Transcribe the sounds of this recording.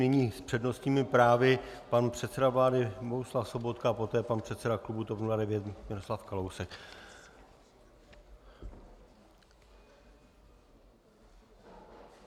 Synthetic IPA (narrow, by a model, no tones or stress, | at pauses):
nɪɲiːspr̝̥ɛdno̞st̪ɲiːmɪpɾaːvɪpanpr̝̥ɛt̪sɛdavlaːdɪboɦuslafso̞bo̞t̪kapo̞t̪ɛːpanpr̝̥ɛt̪sɛdaklubut̪opnuladɛvjɛt̪mɪɾo̞slafkalowsɛk